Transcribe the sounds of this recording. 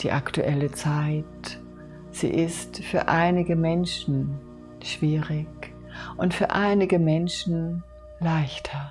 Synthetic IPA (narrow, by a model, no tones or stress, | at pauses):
d̥ḭːʔaktuʔɛlət͡saɪt | z̥ḭːʔɪstfyːɐʔaɪnɪɡəmɛnʃn̩ | ʃv̥iːʁɪç | ʔʊntfyːɐʔaɪnɪɡəmɛnʃn̩ | laɪçtʰɐ